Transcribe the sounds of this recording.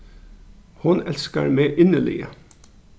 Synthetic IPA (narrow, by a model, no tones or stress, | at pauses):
hʊnɛlska̰ɹmeʔɪnəlɪ̰jə̰